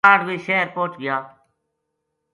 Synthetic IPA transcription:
aːɖʋiːʃeːɾpoːt͡ʃɡɪjaː

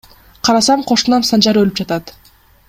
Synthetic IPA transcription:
qʰɑɾɑsɑmqʰo̞ʃulˠɑmsɑnd͡ʒɑɾølyp̚d͡ʒɑt̪ɑt̪

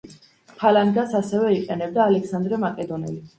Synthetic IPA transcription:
pʰaland̪asasɛvɛiqʼɛnɛb̚d̪aːlɛksand̪ɾɛmakʼɛd̪ɔnɛ̰li

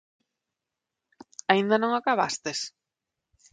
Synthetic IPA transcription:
aind̪anõŋakaβa̰st̪es

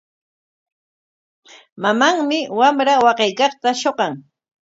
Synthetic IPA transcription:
mamaŋmɪwamɾawɑqejkɑχt̪aʃoɢɑŋ

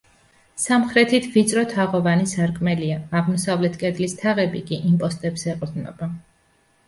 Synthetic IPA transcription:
samχɾɛt̪ʰit̪ʰvit̪sʼɾɔt̪ʰaʁɔvanisaɾkʼmɛliaːʁmɔsavlɛt̪ʰkʼɛd̪list̪ʰaʁɛbikʼiʔimpʼɔst̪ʼɛbzɛqʼɾd̪nɔ̰ba

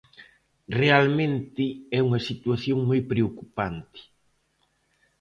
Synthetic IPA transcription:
realmẽnt̪ɪɛuŋɐsit̪waθjoŋmojpɾeokupant̪ɪ̥

